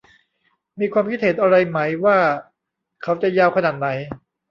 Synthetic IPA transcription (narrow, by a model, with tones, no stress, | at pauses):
miː˧kʰwaː˧mkʰi˥t̪̚he˨˩˦nʔa˧ɾa˧jma˦˥jwaː˥˩ | kʰa˦˥wt͡ɕa˨˩jaː˧wkʰa˧naː˨˩t̪̚na˩˦j